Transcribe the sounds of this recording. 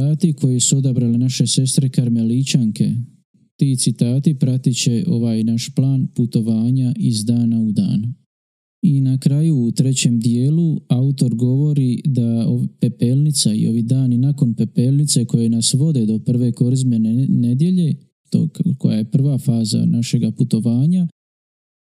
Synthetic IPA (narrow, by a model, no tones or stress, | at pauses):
aːt̪ikʰo̞jisuo̞d̪abɾalenaʃe̞se̞st̪ɾe̞kaɾme̞lit͡ɕaŋke̞̰ | t̪iːt̪sit̪aːt̪ipɾat̪it͡ɕe̞ʔo̞ʋaːjnaʃplˠaːnput̪o̞ʋaːɲaʔizd̪aːnaud̪a̰ːn | inakɾajuːt̪ɾe̞t͡ɕe̞md̪ijeːluaut̪o̞ɾɡo̞ʋo̞ɾid̪aope̞pe̞lnit̪saḭo̞̰ʋid̪aːninako̞npe̞pelnit̪seko̞jenasʋo̞d̪e̞d̪o̞pr̩ʋe̞ko̞ɾizmene̞d̪je̞ʎe̞ | t̪o̰kojaje̞pr̩ʋafaːza̰naʃe̞ɡaput̪o̞ʋaːɲa